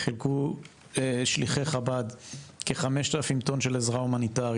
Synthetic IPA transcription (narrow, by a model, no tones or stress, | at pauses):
χilku | eʃliχeχabad̪keχame̞ʃtalfimt̪o̞nʃe̞lezʁaumanitaʁ